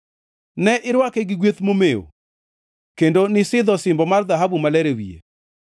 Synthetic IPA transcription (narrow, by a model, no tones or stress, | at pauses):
nɛʔɪɾwakɛɡɪɡwet̪momeo̰ | kendonɪsɪd̪ɔsɪmbɔmarðaɦabumalɛɾewḭḛ